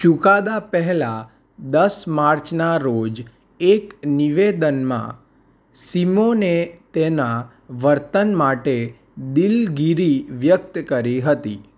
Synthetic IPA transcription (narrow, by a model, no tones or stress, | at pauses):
t͡ʃukad̪apəɦɛla | d̪əsmaɾt͡ʃnaɾod͡ʒ | ekniʋed̪ənmã̰ | simonet̪enã | ʋəɾt̪ənmaʈe | d̪ilɡiɾiʋjəkt̪kəɾiɦət̪i